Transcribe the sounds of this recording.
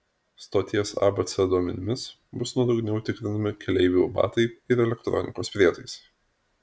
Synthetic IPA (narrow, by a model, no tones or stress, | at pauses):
st̪oːt̪ʲiɛsɑ̰ːbɐt̪sʲɛd̪uɔmʲɛnʲɪmʲɪs | bʊsnuɔd̪ɐʊɡnʲɛʊt̪ʲɪkɾʲɪnɐmʲɪkʲɛlʲɛɪʋʲubɑ̰ːt̪ɐɪɪɾɛlʲɛkt̪ɾɔ̰nʲɪkoːspʲɾʲiɛt̪ɐɪs